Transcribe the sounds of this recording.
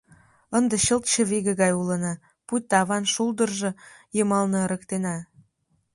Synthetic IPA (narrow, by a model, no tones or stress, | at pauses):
ənd̪ə̆ɕəlt̪ɕə̆βiɣə̆ɣɑjulə̆nɑ | put̪ːɑβɑnʃuld̪ə̆rʒɤ̆jəmɑlnɤ̆ɾə̆kt̪enɑ